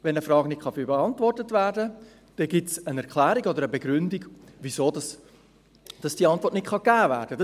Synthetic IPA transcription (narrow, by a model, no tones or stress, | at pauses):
ʋɛnəfɾɑːɡnɪtχɑfbeɑntvɔrtətvæːɾdə | d̥ɛɡɪtsənɛɾkʰlæːɾiɡɔd̪əɾəbɛɡɾʏndiɡviszoːdɑs | d̥ɑsd̥iːɑntvɔrtnɪtχɑɡ̥æːvæːɾd̥əd